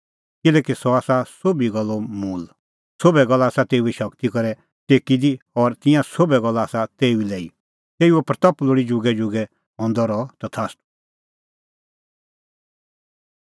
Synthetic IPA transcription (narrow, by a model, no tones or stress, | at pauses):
kɪlɛːkisɔaːsasobiɡɐlːɔmuːl | sobɛɡɐlːaːsat̪eːuɛʃɐkt̪ikɔɾɛ | t̪eːkid̪iɔɾt̪ɪ̃jãsobɛɡɐlːaːsat̪eːuilɛːḭ | t̪eːiuɛpɾt̪ɐploɽid͡ʒʊɡɛd͡ʒʊɡɛ | ɦɔ̃nd̪ɔɾɔt̪at̪ʰaːsʈu